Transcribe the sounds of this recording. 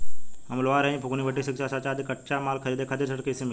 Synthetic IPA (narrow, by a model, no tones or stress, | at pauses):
ɐmlʋaɾəĩpʰukniʋʱəʈːisikʂasat͡ɕad̪ʱikːəʈt͡ɕamalkʰəɾiːd̪ekʰat̪iɾsəɽkəsimi